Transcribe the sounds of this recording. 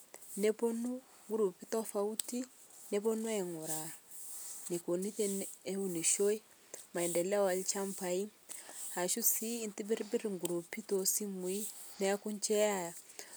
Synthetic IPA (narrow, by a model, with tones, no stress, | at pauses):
nɛ˦po˦nu˦ | ŋɡu˦ɾu˨pi˦tɔ˦fa˦u˦ti˦ | nɛ˦pɔ˦nu˦ɛ˨ŋu˨ɾa˨ | ni˨ko˨ni˦tɛ˦ne˦u˨ni˨ʃo˦i˦ | ma˨ɛ˨ndɛ˨la˦wa˨lit͡ʃa˦mpai˦ | ha˨ʃu˦siː˦˨nti˦bi˦ɾbi˦ɾiŋɡu˨ɾu˨pi˦to˨si˦mwi˦nɛ˦a˦ku˦ɲt͡ʃɛ˦a˦ja˨